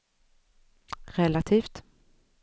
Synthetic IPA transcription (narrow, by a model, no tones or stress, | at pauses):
ɾɛlat̪ʰiːft̪